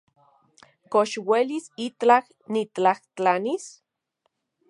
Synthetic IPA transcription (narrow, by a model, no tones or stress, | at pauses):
koʃwelisit͡ɬah | nit͡ɬaht͡ɬanis